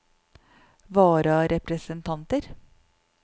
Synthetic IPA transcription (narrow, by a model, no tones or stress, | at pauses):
ʋɑːɾɑɾʔɛpɾəsənt̪ʰɑnt̪əɾ